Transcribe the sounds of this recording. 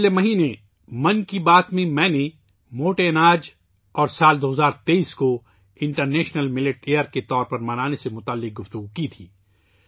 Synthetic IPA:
lemɐɦiːne | mɐ̃nkibaːt̪mẽmɛ̃ːne | moːʈenaːd͡ʒ | ɔːɾsaːld̪oːɦzaːɾt̪eiːsko | ɪ̃ɳʈəɾneːʃnəlmɪlɪʈeːəɾket̪ɔːɾpɐɾmɐnaːnesemʊt̪aːlːɪq̚ɡʊft̪əɡukit̪ʰiː

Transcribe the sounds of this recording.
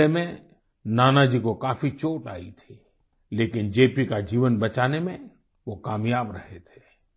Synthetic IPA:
emẽ | naːnad͡ʒikokaːfʰit͡ʃoːʈa̰ːḭt̪ʰe | leːkɪnd͡ʒeːpikad͡ʒiːʋənbɐt͡ʃaːnemẽ | ʋokaːmjaːbɾɐɦet̪ʰe̥ː

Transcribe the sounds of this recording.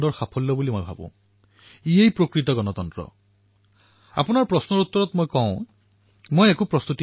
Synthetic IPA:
dɔɹxapʰɔllɔbulimojbʱa̰bṵ̃ | iejpɹokɹit̪ɔɡɔnɔt̪ɔntɹɔ̰ | a̰punaɹpɹɔsnɔɹut̪ːɔɹɔt̪mojkɔw̃ | mojekupɹɔst̪uti

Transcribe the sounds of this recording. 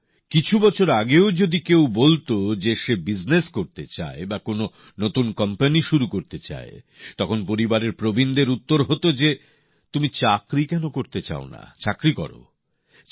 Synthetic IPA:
kit͡ɕʰubɔt͡ɕʰoɾaɡeod͡ʑod̪ikewbolt̪od͡ʑeʃebid͡ʑneskoɾt̪et͡ɕa̰ebakono | not̪unkɔmpaniʃuɾukoɾt̪et͡ɕa̰e | t̪ɔkʰonpoɾibaɾeɾpɾobind̪eɾut̪ːoɾɦot̪od͡ʑe | t̪umit͡ɕakɾikɛnokoɾt̪et͡ɕa̰ona̰t͡ɕakɾikɔ̰ɾo̰

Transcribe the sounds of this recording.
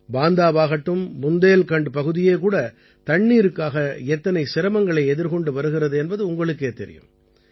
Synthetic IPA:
baːnd̪aːʋaːɣɐʈːɯmːʊnd̪eːlkɐɳɖɯpɐɣɯðɪjeːk̬uːɽɐ | t̪ɐɳːiːɾɯkːaːɣɐɛt̪ːɐnɐɪsɪɾɐmɐŋɡɐɭɐɪɛðɪɾkɔɳɖɯʋɐɾɯɣɪrɐðɯɛnbɐðɯʊŋɡɐɭɯk̬ːeːt̪ːɛɾɪ̰jɯ̰m

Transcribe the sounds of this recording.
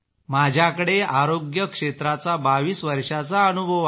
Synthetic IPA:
mad͡ʑʱjakəɽeaɾoɡjəkʂet̪ɾat͡sabaʋiːsʋəɾʂat͡saənubʱəʋ

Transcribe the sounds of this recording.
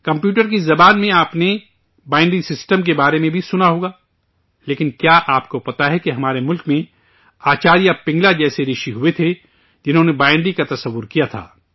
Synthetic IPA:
kɐ̃mpjuːʈəɾkizɐbaːnmẽaːpne | baːɪ̃ɳɖisɪsʈəmk̬ebaːɾemẽbʱisʊnaɦoːɡaː | leːkɪnkjaːʔaːpkopɐt̪aɦɛkeɦɐmaːɾemʊlkmẽ | aːt͡ʃaːɾijapɪ̃ŋɡlad͡ʒɛːseɾɪʃiɦuet̪ʰe | d͡ʒɪnɦõnebaːɪ̃ɳɖɖikat̪ɐsɐʋːʊɾkijat̪ʰa̰ː

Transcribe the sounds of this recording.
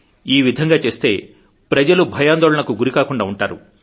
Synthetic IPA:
iːʋid̪ʱɐŋɡaːt͡ʃe̞ːst̪e̞ː | pɾɐd͡ʒɐlubʱɐjaːnd̪ɔːɭɐnɐkuɡuɾikaːkuɳɖaːuɳʈaːɾu

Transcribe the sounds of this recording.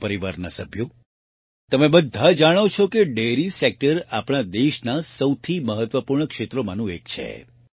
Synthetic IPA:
pəɾiʋaɾnəsəbʱjo | t̪əmebəd̪ʱad͡ʒaɽ̃ot͡ʃʰɔkeɖeɾisek̚ʈəɾapɽ̃ad̪eʃnasəwt̪ʰiməɦət̪ʋəpuɾɳəkʃet̪ɾomanũek̚t͡ʃʰḛ

